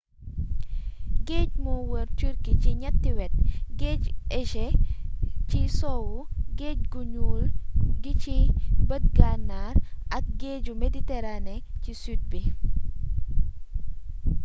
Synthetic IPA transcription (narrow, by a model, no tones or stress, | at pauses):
ɡeːɟ̚muwəɾt͡ʃuɾkiciɲɐtːiwɛt̚ɡeːɟɛʃɛ | cisɔwuɡeːɟ̚ɡuɲuːlɡicibət̚ɡanaɾʔɐk̚ɡeːɟumeditɛɾanɛcisyd̚bi